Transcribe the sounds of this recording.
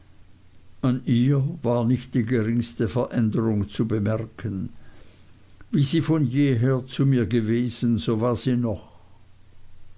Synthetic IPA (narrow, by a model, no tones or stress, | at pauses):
ʔanʔiːɐvaːɐnɪçt̚d̥iːɡəʁɪŋstəfɛɐʔɛndəʁʊŋt͡subəmɛʁkʰən | viːziːfɔnjeːɦeːɐt͡sumiːɐɡəveːz̥ən̩zoːvaːɐz̥iːnɔχ